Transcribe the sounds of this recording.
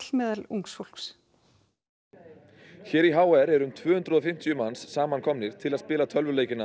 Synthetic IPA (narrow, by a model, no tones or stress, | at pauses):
lmɛːðaluŋksful̥ks | çɛːɾiɦaːwɛɾɛɾʏmt̪ʰvœːhʏnt̪ɾʏðɔfɪm̥t̪ʰijʏmansːaːmankʰɔmnɪɾ̥t̪ʰɪlaðspɪːlat̪ʰœlvʏɾleːjcɪna